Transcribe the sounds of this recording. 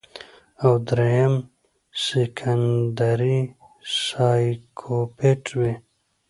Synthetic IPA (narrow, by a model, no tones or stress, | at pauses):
awd̪ɾejɐm | sekʰand̪aɾi | saːjkʰopʰeʈwe